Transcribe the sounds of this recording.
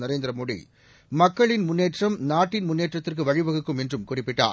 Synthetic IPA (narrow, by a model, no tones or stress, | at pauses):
nɐɾeːnd̪ɾɐmoːɽḭ | mɐkːɐɭɪnmʊnːeːʈrɐmnaːʈːɪnmʊnːeːʈrɐt̪ːɪrk̬ɯʋɐɻɪʋɐɣɯkːɯmɛndrɯmkʊrɪpːɪʈːa̰ː